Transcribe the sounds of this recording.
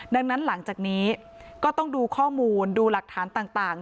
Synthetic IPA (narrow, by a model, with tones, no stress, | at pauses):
da˧ŋna˦˥nla˩˦ŋt͡ɕaː˨˩k̚niː˦˥ | kɔː˥˩t̪ɔ˥˩ŋduː˧kʰɔː˥˩muː˧nduː˧la˨˩k̚t̪ʰaː˩˦nt̪aː˨˩ŋt̪aː˨˩ŋ